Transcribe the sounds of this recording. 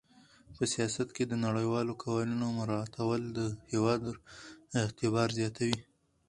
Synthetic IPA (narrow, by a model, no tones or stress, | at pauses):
pəsijɑsat̪ked̪ənaɽəjwɑlokʰawɑlunomʊɾɑːt̪ʰawəld̪əhewɑd̪ | ɪht̪ɪβɑɾzjɑt̪awi